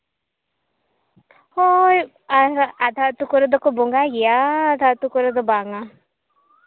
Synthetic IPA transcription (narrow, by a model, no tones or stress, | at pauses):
hoj | aɾad̪ʱat̪ukɔɾɔd̪ɔkɔbɔŋɡaɡɛjaːd̪ʱat̪ukɔɾɔd̪ɔbaŋa